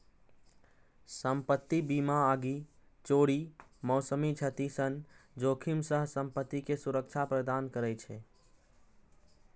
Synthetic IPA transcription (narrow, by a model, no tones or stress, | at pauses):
səmpət̪ːibimaaɡi | t͡ʃoːɽimɔsəmit͡ʃʰət̪isənd͡ʒokʰimsəɦsəmpət̪ːikesuɾək̚t͡ʃʰapɾəd̪ankəɾɛt͡ʃʰɛ